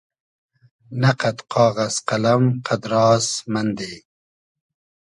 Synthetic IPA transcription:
nɐqɐt̪qʰɑːɣɐsqɐlɐmqʰɐd̪ɾɑːsmɐnd̪e

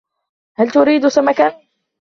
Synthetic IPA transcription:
halt̪ʊɾiːd̪samakan

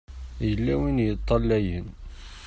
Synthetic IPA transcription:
jəlːæwinjət̪ˤːɑlːæjən

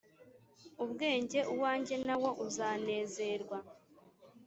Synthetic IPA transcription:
uβɡe̞ːɲɟe̞ʔuwaːɲɟe̞nawo̞ʔuzaːne̞ːze̞ːɾɡwa

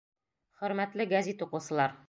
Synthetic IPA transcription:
χɵ̆ɾmæt̪lɘɡæzit̪uqŭsɤ̆lˠɑɾ

